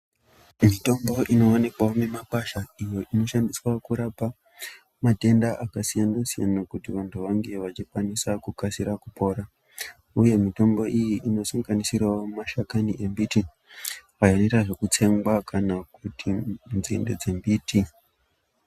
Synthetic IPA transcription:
mito̞mbo̞ʔino̞ːnikwaone̞makaʃaijo̞ʔino̞ʃandiswakuɾapa | mate̞ndaʔakasijanasija̰nakutiʋantʰuʋaŋɡe̞ʋat͡ʃikwanisakukasiɾakupʰo̞ːɾa | uje̞mito̞mbo̞ʔijiʔino̞saŋɡanisiraomaʃakaniʔe̞mbiti | ʋajanetaʐe̞kut͡se̞ŋɡwakanakutʰinzḭnde̞̰d͡ze̞mbiːtʰi

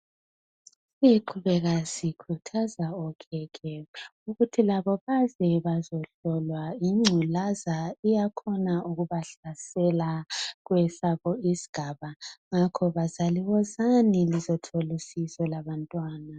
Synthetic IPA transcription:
siǃʰuβɛɣasikʰutʰazaɔkʰɛkʰɛuɣutʰilaβɔβazɛβazɔɬɔlwaiŋ͡ǀʱulazaijakʰɔnauɣuβaɬasɛlaɣwɛsaɣɔizi̥ɡ̥ʱaβaŋakʰɔβazaliɣɔzanilizɔtʰolisisɔlaβantʼwaːna

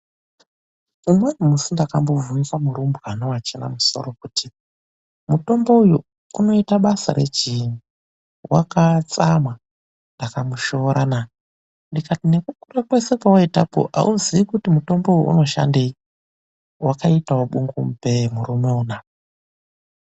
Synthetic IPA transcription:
umwenumusindakambo̞vuwikamuɾumbɣanowat͡ʃena̰muso̞̰ɾo̞kutʰi | muto̞mbo̞uju | uno̞itaɓasa̰ɾe̞̰d͡ʒini | wa̰kat͡samwa | ndakamuʃo̞ɾana | ndikatine̞kukurakwe̞se̞kawaita̰po̰ʔa̰ʔuziikutimuto̞mboujuʔṵno̞ʃa̰nde | wʔakaitawoɓuŋɡumpemuɾumoːna

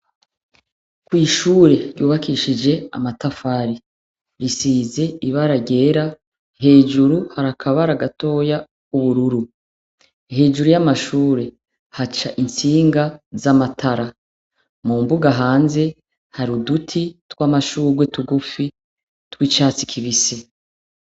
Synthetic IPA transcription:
kwiːʃuːɾe̞ɾjuːβakiʃid͡ʒe̞a̰matafaɾi | ɾisize̞iβaɾaɟe̞ːɾa | ɦe̞ːd͡ʒuɾuhaɾakʰaβaɾaɡato̞ja | kuβuɾuɾu | he̞ːd͡ʒuɾujamaʃuːɾe̞ | hat͡ʃaʔint͡siːŋɡazamatʰaɾa | mumbuɡaɦaːnze̞ | haɾudutʰitwaːmaʃuːɾɡwetuɡufi | twiːt͡ʃaːt͡si̥kʰiβise̞

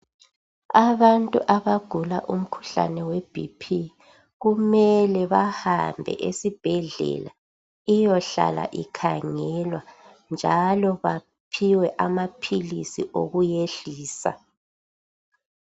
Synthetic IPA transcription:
aβantʼuʔaβaɡ̥ʱulaʔum̩kʰu̥ɬa̰nɛweb̥ʱḭpʰi | ɣumɛlɛβahambʱɛ̰ʔesib̥ʱɛɮɛ̰la | ijɔɬa̰la̰ʔikʰaŋɛlwa | nd͡ʒʱalɔβa | pʰiwɛʔamapʰilisiʔoɣujeɬiːsa̰

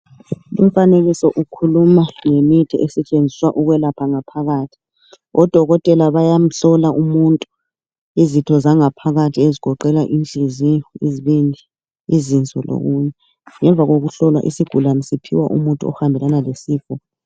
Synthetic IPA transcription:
lum̩faneɣisɔʔukʰulumaŋemitʰiɛsɛt͡ʃʼend͡zʱiswaʔuɣwɛlapʰaŋapʰaɣaːtʰi̥ | ɔd̥ʱɔɣɔtʼɛlaβajam̩ɬɔlaʔumuntʼu | izitʰɔzaŋapʰaɣatʰieziɡ̥ʱɔǃɛɣaʔint͡ɬʼiziiziβindʱi | izint͡sʼɔ̰lo̰ɣuɲɛ | ŋɛɱvʱaɣoɣuɬɔlwa̰ʔḭsiɡ̥ʱulamisipʰḭwa̰ʔṵmuntʼuɔ̰hambʱɛlanalesiːfɔ

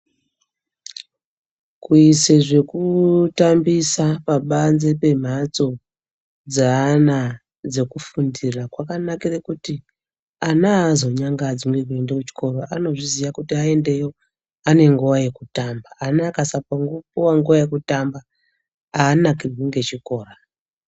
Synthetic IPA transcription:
kuise̞ʐe̞kutambisapaɓanze̞pe̞m̤at͡so̞ | d͡zana | d͡ze̞kufundirakwakanakirekuti | anaːzo̞ɲaŋɡad͡zimwe̞kue̞ndekut͡ʃi̥ko̞ɾo̞ʔano̞ʐizijakutiae̞nde̞jo̞ | ane̞ŋɡuwaje̞kutambaːnakasapaŋɡupuwaŋɡuwaje̞kutamba | aːnakirweŋɡe̞t͡ʃiko̞ːra

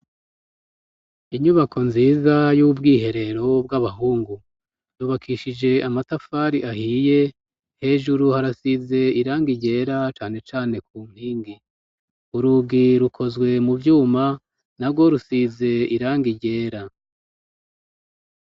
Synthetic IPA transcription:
iɲuβakʰo̞nziːzajubɡiːhe̞ɾe̞ɾo̞b̚ɡaβaɦuːŋɡu | juːβakʰiʃid͡ʒe̞amatafaːɾiʔahiːje̞ | he̞ːʒuɾuhaɾasize̞iɾaːŋɡiɟe̞ːɾat͡ʃaːne̞t͡ʃaːne̞kuːm̥hiːŋɡi | uɾuɡiɾukʰo̞zɡwe̞muvjuːma | naɾɡwo̞ɾusize̞iɾaːŋɡiɟe̞ːɾa

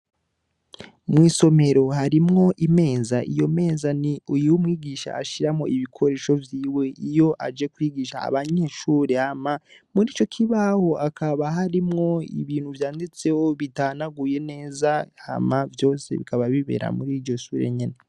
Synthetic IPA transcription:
mŋiːso̞me̞ɾo̞haɾimŋo̞ʔime̞ːzaʔijo̞me̞ːzaniujuwumŋiːɡiːʃa̰ːʃiɾamŋo̞̰ʔiβikʰo̞ɾe̞ːʃo̞vjiːwe̞ijo̞ʔad͡ʒe̞kwiːɡiːʃa̰a̰βaɲe̞ʃuːɾehamamuɾiːt͡ʃo̞kʰiβaho̞ʔakʰaβaɦaɾimŋo̞ḭβiːn̥huvjaːndit͡sehoβitaːnaɡuje̞ne̞ːzaha̰mavjo̞ːse̞̰βḭkaβaβiβḛɾa̰muɾiːɾɟo̞ʃuːɾḛɲene

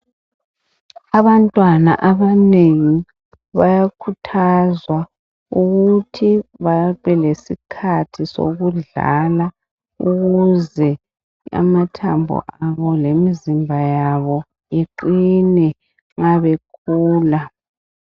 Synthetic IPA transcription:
aβantʼwana̰ʔaβaneŋi | βajakʰutʰazwa | uɣutʰiβaβɛlesikʰatʰiso̰ɣuɮa̰la | uɣuzɛ | a̰matʰambʱṵʔaβɔlemizimbʱajaβɔ | eǃinɛ | ŋaβekʰuːla

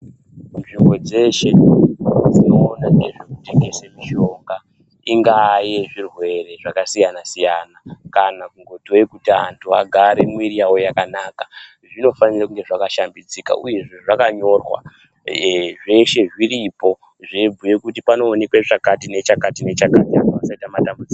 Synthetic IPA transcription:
nʐimbo̞d͡ze̞ʃe̞ | d͡zino̞ːnaŋeʐekute̞ŋɡe̞semiʃo̞ŋɡa | iŋɡaje̞ʐirwe̞re̞ʐakasijanasijanakanakuŋɡo̞toekutiaantʰua̰ɡʱaɾe̞mwiriawojakanaːkḁ | ʐino̞fanirakuŋɡe̞ʐakaʃambid͡zika̰ʔuje̞ʐe̞ʐakaɲo̞rwa̰ | ʐe̞ʃe̞ʐiripo̞ | ʐeb͡vuje̞kutipano̞ːnekweʐakatine̞t͡ʃakatine̞t͡ʃakatianaʋasaitamatambud͡zia

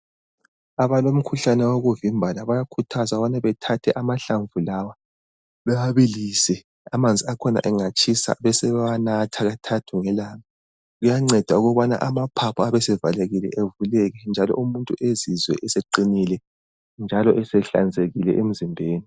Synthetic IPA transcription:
aβalom̩kʰuɬanɛwoɣuvimbʱalaβajakʰutʰazaβanaβɛtʰatʰɛʔamaɬaɱvulawa | βɛwaβilisɛ | amand͡zʱiakʰɔna̰ʔɛŋat͡ʃʼisa̰βɛsɛanatʰaɣatʰatʰuŋɛlaːma | ɣujaŋ͡ǀɛd̥ʱauɣɔβana̰ʔamapʰapʰɔaβɛsɛvaleɣilɛ̰ʔevulɛɣɛnd͡ʒʱalɔ̰ʔumuntʼuʔezizwɛ̰ʔɛseǃinilɛ | nd͡ʒʱalɔʔɛsɛɬa̰nd͡zʱeɣilɛ̰ʔem̩zimbʱeːni

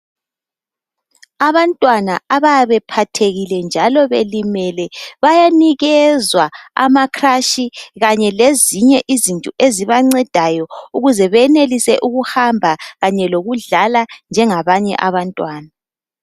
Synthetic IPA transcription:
aβantʼwanaaβajaβɛpʰatʰeɣilɛnd͡ʒʱalɔβelimɛlɛβajaniɣɛzwaa̰makʰraʃiɣaɲɛleziɲɛʔizintʼuʔeziβaŋ͡ǀɛd̥ʱajɔuɣuzɛβɛnelisɛʔuɣuhambʱaɣaɲɛloɣuɮaland͡ʒʱɛŋaβaɲɛ̰ʔaβantʼwaːna

